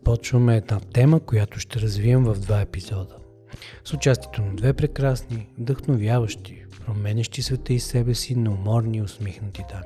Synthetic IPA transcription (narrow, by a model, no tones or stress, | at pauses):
pɔt͡ʃvəmɛːd̪nat̪ɛməkojat̪ʊʃt̪ɛɾɐzviəmvɐvd̪vaɛpizɔd̪ə | sʊt͡ʃast̪iɛt̪onɐd̪vɛpɾɛkɾasnid̪əxnovjavəʃt̪ipɾomɛnʲəʃt̪isvɛt̪əisɛbɛsinɐomɔɾniʊsmixnɐt̪it̪ami